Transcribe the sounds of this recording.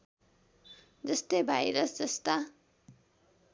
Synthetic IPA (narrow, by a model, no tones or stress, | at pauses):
d͡zʌst̪ʌjbʱajɾʌsd͡zʌst̪a